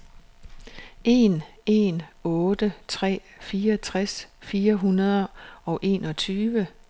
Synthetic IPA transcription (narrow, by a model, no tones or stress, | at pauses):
ʔe̝ːn | e̝nɔ̽ːd̥ət͡sʰʁɛ̰ː | fiːɐɒt͡sʰʁasfiːɐɦunɐð̞ˠɐɒ̽ʊʔe̝̰ːnɒ̽t͡sʰyːʋə